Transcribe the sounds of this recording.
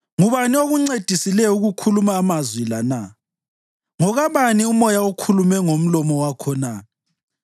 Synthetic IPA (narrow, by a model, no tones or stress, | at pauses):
ŋuβanioɣuŋ͡ǀed̥ʱisilɛuɣukʰulumaːmazwilana | ŋɔɣaβaniumɔjaukʰulumɛŋom̩lɔmɔwakʰɔna